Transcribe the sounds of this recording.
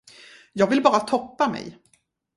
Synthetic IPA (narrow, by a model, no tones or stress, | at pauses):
jɑːɡvɪlbɑːɾat̪ʰɔpːamɛ̰j